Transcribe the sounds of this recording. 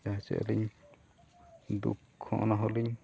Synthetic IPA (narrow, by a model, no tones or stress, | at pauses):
aɦɛsɛ̰ʔɛ̰liɲ | d̪ṵkʰːɔ̃ʔɔnaɦɔliɲ